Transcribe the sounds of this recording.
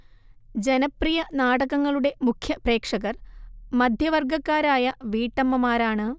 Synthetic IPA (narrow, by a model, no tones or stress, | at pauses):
d͡ʑe̞nɐprijɐnaːɽɐɣɐŋːɐɭuɽe̞mukʰjɐpre̞ːkʂɐɣɐrmɐd̪ʱjɐʋɐrɡɐkːaːɾaːjɐʋiːʈːɐmːɐmaːɾaːɳɨ